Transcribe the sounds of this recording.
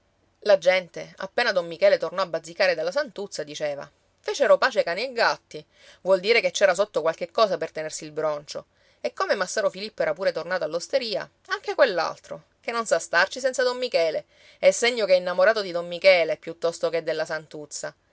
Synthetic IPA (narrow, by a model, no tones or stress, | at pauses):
lad͡ʒɛnt̪ea̰pːeːnad̪omːikɛːlet̪ornɔabːad̪zikaːɾed̪alːasant̪ut̪sːad̪it͡ʃeːva̰ | feːt͡ʃeɾopaːt͡ʃekaːnieɡat̪ːi | vwɔld̪iːɾeket͡ʃːɛːɾasot̪ːokwalkekːɔːsapert̪enersilbɾont͡ʃo | ekːomemasːaːɾofilipːoɛːɾapuːɾet̪ornaːt̪oalːost̪eɾiːa̰ | aŋk̟ekwelːa̰lt̪ɾo̰ | kenːonsast̪art͡ʃis̬ɛnt̪sad̪omːikɛːle | ɛsːeɲːokeinːamoɾaːt̪od̪id̪omːmikɛːlepjut̪ːɔst̪oked̪ːelːasant̪ut̪sːa